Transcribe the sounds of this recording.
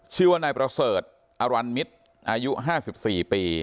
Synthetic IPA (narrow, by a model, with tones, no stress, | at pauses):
t͡ɕʰɯ˧ɐnaː˧jpɾa˧sɤː˨˩t̪̚ | ʔa˧wa˧nmi˦˥t̪̚ | ʔaː˧ju˦˥ʔɦaː˥˩si˨˩p̚siː˨˩piː˧